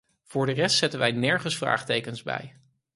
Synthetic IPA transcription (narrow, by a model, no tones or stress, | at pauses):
v̥ʊːɹdərɛstsɛtənʋɛjnɛɹχənsfra̰ːχtejkənzbɛ̰j